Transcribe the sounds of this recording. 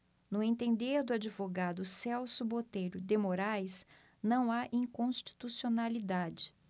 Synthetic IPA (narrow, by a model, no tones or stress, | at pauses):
nʊẽnt̪ẽnd̪eɾd̪ʊad͡ʒivoɡad̪ʊsɛwsʊbot̪ejɾʊd̪emoɾajs | nɐ̃w̃aʔĩŋkõʃt͡ʃi̥t̪usionalid̪ad͡ʒɪ